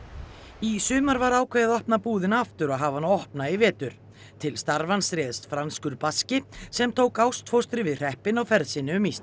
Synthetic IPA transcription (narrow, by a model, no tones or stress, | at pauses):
isʏːmaɾvaɾaːwkʰvɛːjðɔhpnapuːðɪnaaft̪ʏɾaɦaːvanaɔhpnaɪvɛːt̪ʏɾ̥ | t̪ʰɪlst̪aɾvansɾɛːðst̪fɾanskʏɾpascɪsɛmt̪ʰoːwkawst̪ʰfowst̪ɾɪvɪðr̥ɛhpɪnawfɛɾðsɪnːɪʏmːist̪